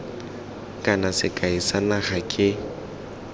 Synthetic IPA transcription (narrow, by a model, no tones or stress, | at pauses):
kʼanasɪkʼaisanaɣakʼɪ